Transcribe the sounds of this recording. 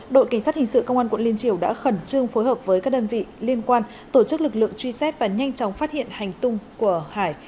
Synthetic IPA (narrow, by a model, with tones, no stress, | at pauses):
ɗo̰˧˨ka˧˩ŋsa˦˥hï̟˨˩sɨ̰˧˨kə˧wŋ͡ma˧nkwə̰˧˨nli˧ənt͡ɕi˧˩əwɗa̰ː˧˥xə˨˧˩nt͡ɕɨ˧əŋfo˨˦jhəː˨˩p̚vəː˨˦jkaː˦˥k̚ɗə˧nvḭ˧˨li˧ənkwaː˧n | t̪o˧˩t͡ɕɨ˦˥k̚lɨ˨˩k̚lɨ̰˧˨əŋt͡ɕwi˧sɛ˦˥p̚vaː˨˩ɲa˧jŋ̟t͡ɕɔ˨˦wŋ͡mfaː˦˥t̚hḭ˧˨ənha˨˩jŋ̟t̪ʊ˧ŋ͡mku˧˩əhaː˧˩j